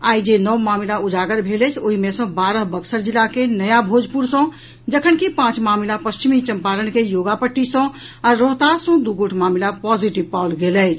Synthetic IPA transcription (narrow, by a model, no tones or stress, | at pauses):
ajd͡ʒenəwmamilaud͡ʒaɡəɾbʱelɛt͡ʃʰoɦimesə̃baɾəɦbəksəɾd͡ʒilːakenəjabʱod͡ʒpuɾsə̃ | d͡ʒəkʰənkipãt͡ʃmamilapəst͡ʃimit͡ʃəmpaɾənkejoɡapəʈːisə̃ | aɾːɔɦt̪asə̃d̪uɡoʈʰmamilapɔd͡ʒiʈibpalɡelɛɪt͡ʃʰ